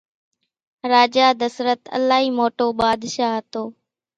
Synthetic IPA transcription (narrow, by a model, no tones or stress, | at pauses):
ɾaːd͡ʒaːd̪əsɾət̪ə̰laːɦiːmoːʈoːɓaːd̪ʃaːɦət̪oː